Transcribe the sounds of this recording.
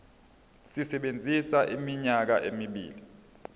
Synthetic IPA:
sisɛɓend͡zʱisaʔimiɲak̬a̰ʔemiɓḭːli

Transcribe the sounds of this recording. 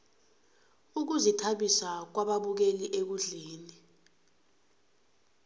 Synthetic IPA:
uk̬uzitʰaɓisak̬waɓaɓuk̬eliʔek̬uɮeːni

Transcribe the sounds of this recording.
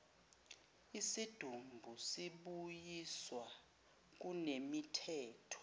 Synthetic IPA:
isid̥ʱumbʱusiɓujiswa | k̬unemitʰɛːtʰɔ̥

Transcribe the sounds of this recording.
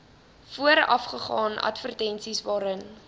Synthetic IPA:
fuəɾɐ̰fχəχɑːnɐ̰tfərtɛnsisvɑːɾən

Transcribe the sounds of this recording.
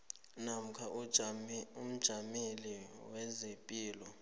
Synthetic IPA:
nam̩kʰa | um̩d̥ʒ̥ʱamiliwɛzepʼiːlɔ

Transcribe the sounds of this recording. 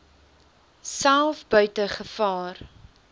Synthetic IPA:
sælˠfbœɥtəχəfɑːr

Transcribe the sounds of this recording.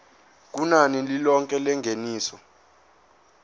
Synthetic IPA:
k̬ʼunanililɔŋkʼɛlɛŋɡʱeniːsɔ

